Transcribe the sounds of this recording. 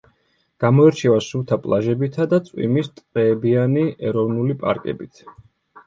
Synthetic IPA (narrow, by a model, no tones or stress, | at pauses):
ɡ̥amɔɛɾt͡ʃʰɛvasut̪ʰapʼlˠaʒɛbit̪ʰad̪at̪sʼwḭmist̪sʼɾɛːbianiɛɾɔvnulipʼa̰ɾkʼɛ̰bit̪ʰ